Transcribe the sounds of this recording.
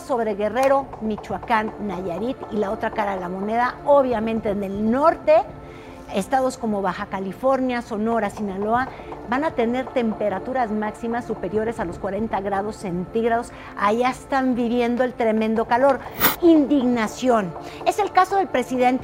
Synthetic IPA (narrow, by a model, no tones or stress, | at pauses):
so̞βɾe̞ɣe̞re̞ɾo̞mit͡ʃwakanːaʝaɾit̪ilao̞t̪ɾakaɾaðe̞lamo̞ne̞ðaoβjamẽ̞nt̪e̞d̪elno̞ɾt̪e̞ | est̪aðo̞sko̞mo̞βaxakalifo̞ɾnjaso̞no̞ɾasinalo̞a | banat̪e̞ne̞ɾt̪e̞mpe̞ɾat̪uɾazmaksimasːupe̞ɾjo̞ɾe̞salo̞skwaɾe̞nt̪aɣɾað̞o̞sːe̞nt̪iɣɾað̞o̞s | aʝaest̪ambiβje̞nd̪o̞elt̪ɾe̞mẽ̞nd̪o̞kalo̞ɾind̪iɣnasjo̞n | e̞se̞lkaso̞ðe̞lpɾe̞siðe̞nt̪